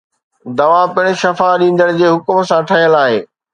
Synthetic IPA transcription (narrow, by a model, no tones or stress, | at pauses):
d̪ɐʋapɪɽ̃̆ʃɐfaɗĩːnd̪əɽ̃ɪd͡ʑeːɦʊkmsãʈʰɐɦijəlaːɦeː